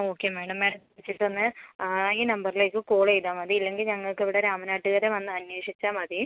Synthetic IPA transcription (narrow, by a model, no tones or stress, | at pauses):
o̞ːkːeːmeːɳɐmːeːɽɐmkuɽit͡ɕːiʈːonːɨ | iːnɐmbɐrile̞ːkːɨkoːɭejðaːmɐðiːilːe̞ŋɡilɲɐŋːɐɭkiʋiɽeɾaːmɐnaːʈːɨɣɐɾeʋɐnːɨɐnweːʂit͡ɕːaːmɐði